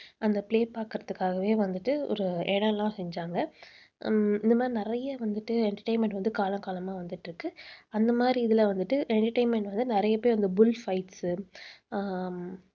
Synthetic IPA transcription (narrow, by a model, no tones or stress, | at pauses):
ɐnd̪ɐpleːpaːkɯɾɐðɯkːaːɣɐʋeːʋɐnd̪ɯʈːɯɔ̰ɾɯɛɽɐ̃lãːsɛɲd͡ʒaːŋɡɐ | ɪnd̪ɐmaːd̪ɾinɪɾɐjɐʋɐnd̪ɯʈːɯɛɳʈɐɾʈɐɪnmɛɳʈʋɐnd̪ɯkaːlɐ̃ŋkaːlɐmaːʋɐnd̪ɯʈːɪɾɯkːɯɐnd̪ɐmaːd̪ɾiɪðɪlɐʋɐnd̪ɯʈːɯʔɛɳʈɐɾʈɐɪnmɛɳʈʋɐnd̪ɯnɪɾɐjɐpːoːjʋɐnd̪ɯbʊlfɐɪʈsɯ